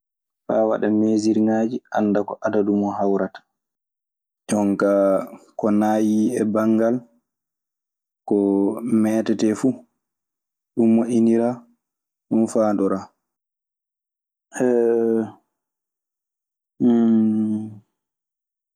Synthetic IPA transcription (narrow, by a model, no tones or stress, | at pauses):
fa̰wa̰ɗameːziɾinad͡ʒiʔandakɔʔadadumɔɦawɾatḁ | d͡ʒɔŋkakɔnaːjiɛbaŋɡal | kɔmɛːtɛtɛfu | ɗumːɔʔiniɾa | ɗunfaːndɔɾa | ʔɛ